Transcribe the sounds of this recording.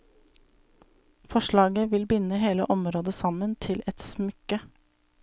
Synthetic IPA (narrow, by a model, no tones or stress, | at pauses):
fɔʃɭɑːɡəʋɪlbʏnəɦeːlə̰ʔɔmɾoːd̪əsɑmənt̪ʰɪlɛt̪smʏkə